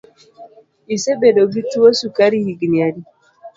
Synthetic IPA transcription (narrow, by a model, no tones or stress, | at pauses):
isɛbɛɗɔɡituwɔsukaɾihiɡniadi